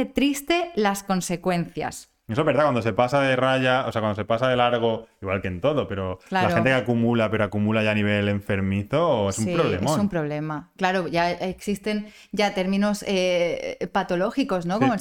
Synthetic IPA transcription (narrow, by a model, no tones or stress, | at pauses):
et̪ɾist̪e̞lasko̞nse̞kwe̞nθja̰s | es̬oezβeɾðakwand̪ose̞pasaðeraʝaosakwand̪ose̞pasaðe̞laɾɣ̞o̞iɣwalkent̪o̞ðope̞ɾo̞lalaɾent̪ekeakumulape̞ɾoakumulaʝaniβ̞e̞le̞ɱfe̞ɾmiθoesumpɾoβlemeosumpɾo̞β̞le̞maklaɾo̞ʝaeksist̪e̞n | ʝat̪e̞ɾmĩno̞sepat̪o̞lo̞xiko̞zno̞komo